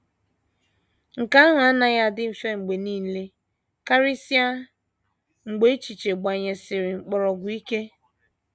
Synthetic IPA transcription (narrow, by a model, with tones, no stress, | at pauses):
ŋ̩˨ka˦a˦ŋa˨a˦na˨ja˦dɪ˦˨fe˦ŋ͡m̩˨ɡ͡be˨niː˦˨˦le˦ | ka˦ɾi˦si˦a˦ | ŋ͡m̩˨ɡ͡be˦t͡ʃi˨t͡ʃe˨ɡ͡ba˨ɲe˨sɪ˨ɾɪ˨ŋ͡m̩˨k͡pɔ˨ɾɔ˨ɡʷʊ˨i˦ke˦